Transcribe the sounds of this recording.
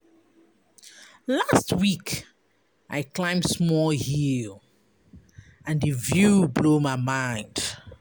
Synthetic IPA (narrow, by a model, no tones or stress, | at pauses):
lastwik | ʔa̰ɪklãɪ̃msmɔlhil | ãndɨvjublomaɪmãɪ̃nd̥